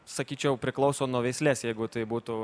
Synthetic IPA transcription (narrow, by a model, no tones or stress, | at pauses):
sɐkʲiːt͡ʃʲɛʊpʲɾʲɪklˠɐʊsoːnuɔʋʲɛɪsʲlʲeːsjɛɪɡʊt̪ɐɪbuːt̪ʊ